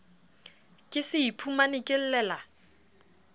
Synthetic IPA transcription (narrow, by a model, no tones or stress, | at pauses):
kʼɪsɪipʰumanɪkʼɪl̩lɛːla